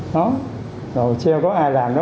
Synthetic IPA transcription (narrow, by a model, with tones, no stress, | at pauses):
ɗɔ˨˦ | zo˨˩wt͡ɕɛ˧ə˧wkɔ˨˦ʔaː˧jlaː˨˩mɗɨ˨˦